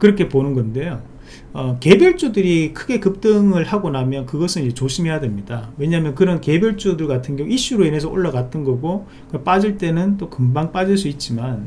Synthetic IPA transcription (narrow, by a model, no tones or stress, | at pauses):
kɯɾʌkʰe̞ponɯnɡʌnde̞jo | ʌke̞bjʌɭt͡ɕ͈udɯɾikʰɯɡe̞kɯp̚t͈ɯŋɯɭhaɡonamjʌnkɯɡʌsʰɯnid͡ʑe̞t͡ɕoɕʰimɦejadwemɲidawe̞ɲaɦmjʌnkɯɾʌnke̞bjʌɭt͡ɕ͈udɯɭɡatʰɯnɡjʌŋoiɕ͈uɾoine̞s̬ʰʌo̰ɭːaɡat̚t͈ʌnɡʌɡo | kɯʌp͈ad͡ʑiɭt͈e̞nɯnt͈okɯmbaŋp͈ad͡ʑiɭs̬͈uit̚t͡ɕ͈iman